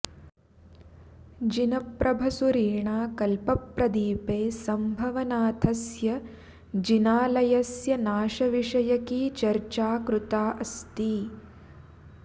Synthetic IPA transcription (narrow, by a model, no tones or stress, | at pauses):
d͡ʒinɐpɾʔɐbʱɐsuɾiːɳaːkɐlpɐpɾɐd̪iːpeːsɐmbʱɐʋɐnaːt̪ʰɐsjɐ | d͡ʒinaːlɐjɐsjɐnaːʃɐʋiʂɐjɐkiːt͡ʃɐɾt͡ʃaːkɾut̪aːʔɐst̪iː